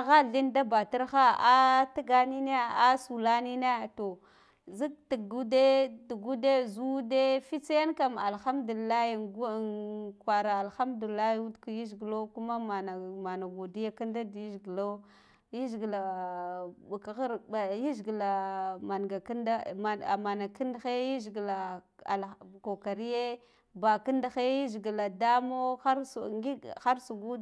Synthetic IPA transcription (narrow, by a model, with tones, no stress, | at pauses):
a˨ɣa˦ɮi˦nda˦ba˨ta˦ɾxa˦a˦ta˦ɡa˦ni˦ne˦a˦su˨la˦ni˦na˦˨to˨ | zi˦k̚ti˨ɡu˦de˦du˨ɡu˦de˦zu˦de˦fi˦t͡se˦ja˦nka˨ma˨lxa˦mdu˨li˨lːa˦i˨ɡkwa˨ɾa˨a˨lxa˦mdu˨li˨lːa˦i˦u˦dka˨ji˦zɡlo˦ku˦ma˦ma˨na˨ma˨na˨ɡu˨di˦ja˦ka˦nda˦di˨˦ʒɡlo˦ | ji˦ʒɡla˨ | ka˨˦a˨ji˦ʒɡla˨ma˨nɡa˨knda˦a˨ma˨na˨ki˦nda˦xe˦ji˦ʒɡla˨a˨lko˨ka˨ɾi˦je˦ | ba˨ki˦nda˨xe˦ji˦ʒi˨ɡi˨la˨da˦mo˦xa˦ɾsɡi˦xa˦ɾsu˨ɡu˦